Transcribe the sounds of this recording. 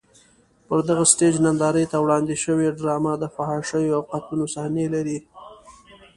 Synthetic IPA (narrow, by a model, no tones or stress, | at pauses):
pəɾd̪aɣasʈed͡ʒnand̪ɑɾəjt̪awɽɑnd̪ɪʃəweɖɾɑmad̪əfaɦɑʃəjoawqat̪lunosahnelaɾi